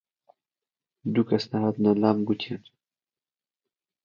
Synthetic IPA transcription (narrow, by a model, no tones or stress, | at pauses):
d̪ukɐsnaɦaːt̪nalaːmɡut̪ʰien